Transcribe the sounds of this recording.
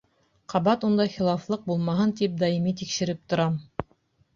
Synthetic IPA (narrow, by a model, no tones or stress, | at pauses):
qʰɑβɑt̪und̪ɑjχilˠɑflˠɤq̚bulˠmɑɦɤnt̪ip̚d̪ɑimit̪ikʃɘ̆ɾɘp̚t̪ŏɾɑm